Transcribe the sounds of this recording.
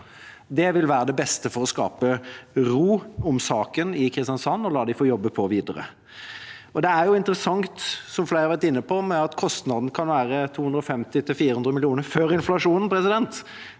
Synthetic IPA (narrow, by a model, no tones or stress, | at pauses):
d̪ɛʋɪlʋæːɾəd̪ɛbɛst̪əfɔɾɔskɑ̰ːpəɾuːɔmsɑːkənɪkʰɾɪst̪jɑnsɑnːɔlɑːd̪ɪfoːjɔbːəpʰɔʋiːd̪əɾə̰ | ɔd̪ɛæɾjʊɪnt̪əɾəsɑŋt̪sɔmfleɪɾɑʋæɾt̪ɪnːəpʰɔmɛɑt̪kʰɔst̪nɑd̪nəkʰɑnʋæːɾət̪ʰuːʉnd̪ɾɔfɛmt̪ɪt̪ʰɪlfiːɾəhʉnd̪ɾəmɪlɪuːnəɾføːɾɪnflɑʂuːnən̩pɾɛsɪd̪ɛnt̪